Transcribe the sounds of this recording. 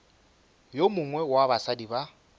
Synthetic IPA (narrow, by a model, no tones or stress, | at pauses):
jomʊŋwɛwabasadiba